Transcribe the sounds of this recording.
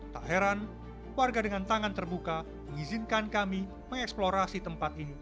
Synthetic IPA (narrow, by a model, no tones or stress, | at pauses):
t̪aɦeɾan | warɡadəŋant̪aŋant̪ərbuka | məŋizinkankami | məŋɛksploɾasit̪əmpat̪̚ini